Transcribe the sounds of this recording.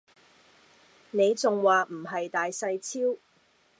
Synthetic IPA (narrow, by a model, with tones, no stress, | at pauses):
ne˨˧jt͡sʊ˨ŋwaː˨m̩˨˩ɦɐ˨jt̪aː˨jsɐ˧jt͡sʰiː˥w